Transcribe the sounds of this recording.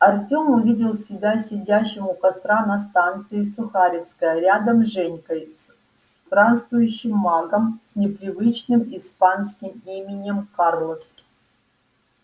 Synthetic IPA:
ɐrtʲomʊvʲidʲɪlˠsʲɪbʲasʲɪdʲæɕːɪmʊkɐst̪ɾanɐst̪ant̪sɨɪsʊxaɾʲɪfskəjəɾʲad̪əmʐɛnʲkəj̪ | s | t̪ɾanst̪vʊjʉɕːɪmːaɡəmsʲnʲɪpɾʲɪvɨt͡ɕnɨmispanskʲɪmimʲɪnʲɪmkarlˠəs

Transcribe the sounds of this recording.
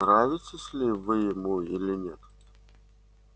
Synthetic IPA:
ɾavʲɪtʲɪsʲlʲɪvɨjɪmuilʲɪnʲet̪

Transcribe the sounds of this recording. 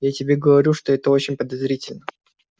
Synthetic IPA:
jatʲɪbʲeɡəvɐɾʲuʂt̪oɛt̪əot͡ɕɪnʲpəd̪ɐzɾʲitʲɪlʲnə

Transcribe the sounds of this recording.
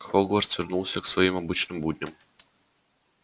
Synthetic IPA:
xolˠɡʋoɾt̪sʋɾnulˠsʲeksʋojimobit͡ʃnimbuːd̪ɲem

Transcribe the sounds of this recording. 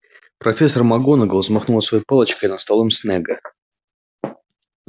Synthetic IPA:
pɾɐfʲes̬ərmɐɡonəɡəlˠzmɐxnulˠəsvɐjojpɑlˠət͡ɕkəɪnɐst̪alˠɨmsnɛɡə

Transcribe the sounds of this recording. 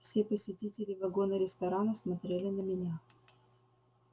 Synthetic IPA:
fsʲepəsʲɪtʲitʲɪlʲɪvɐɡo̞nəɾʲɪst̪ɐɾanəsmɐt̪ɾʲelʲɪnəmʲɪnʲa

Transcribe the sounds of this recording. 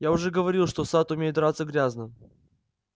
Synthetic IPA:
jaʊʐɛɡəvɐɾʲilˠʂt̪osat̪ʊmʲejɪt̪d̪ɾat̪səɡɾʲaznɨm

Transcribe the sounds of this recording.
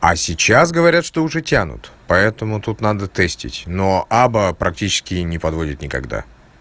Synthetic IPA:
ɐ̰sʲɪt͡ɕas̬ɡəvɐɾʲat̪ʂt̪oʊʐɛtʲanʊ̰t̪pɐɛt̪əmʊt̪ut̪nad̪ət̪ɛsʲtʲɪ̰tʲnoʔabəpɾɐk̚tʲit͡ɕɪ̥skʲɪnʲɪpɐd̪vo̞dʲɪt̪nʲɪkɐ̰ɡd̪a̰

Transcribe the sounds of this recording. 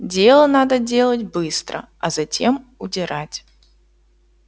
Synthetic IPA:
dʲe̞lˠənad̪ədʲe̞lˠətʲbɨst̪ɾə̰ | ɐzɐtʲe̞mʊdʲɪɾatʲ

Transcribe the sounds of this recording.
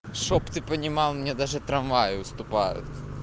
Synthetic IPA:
ʃɔpt̪ɨpɐnʲimalˠnmiɲɛd̪aʒɐt̪ɾɐ̃vajʊʊst̪upajʊ̰t̪

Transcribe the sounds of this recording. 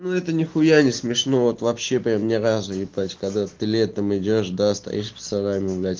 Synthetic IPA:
nuɛt̪ənʲɪxʊjanʲɪsmʲɪʂno̞vo̞t̪vɐpɕːe̞pɾʲamnʲɪɾazʊjɪplatʲkɐɡd̪att̪ːɨlʲet̪ːamɪdʲoʂd̪ast̪ɐ̰jḭʂpə̥t̪saɾamʲɪʊvlʲætʲ

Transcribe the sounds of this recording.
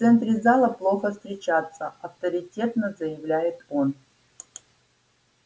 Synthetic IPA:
ftsɛnt̪ɾʲɪzalˠəplˠoxəfst̪ɾʲɪt͡ɕat̪sːə̰ʔɐft̪əɾʲɪtʲet̪nəzɐjɪvlʲæjɪt̪on

